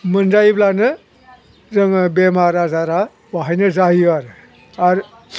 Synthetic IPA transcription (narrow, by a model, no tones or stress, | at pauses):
mɯnzajblanɯ | zɯŋbemaɾazaɾa | waɦajnɯzauaɾɯ | aɾ